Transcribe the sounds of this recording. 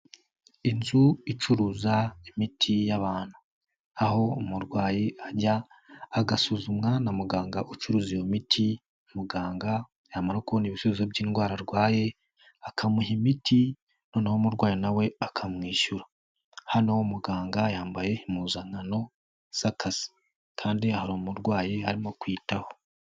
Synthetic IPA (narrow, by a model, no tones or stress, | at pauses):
inzuit͡ʃuɾuːzaimitʰijaβaːn̥hu | aho̞umuɾɡwaːjiaɟaː | ɡasuːzumŋanamuɡaːŋɡaʔut͡ʃuɾuːzijomitʰi | muɡaːŋɡa | jaːmaɾokuoniβiʃuzuzobɟiːnɡwaːɾaɾɡwaːje̞ | akʰamuhimitʰi | no̞ːnahomuɾɡwaːjinawe̞akʰamŋiːʃuɾa | hanowomuɡaːŋɡajaːmbaje̞imuːzaŋano̞ | z̥akasi̥ | kʰaːndiahaɾomuɾɡwaːjeaɾimo̞kwiːtaho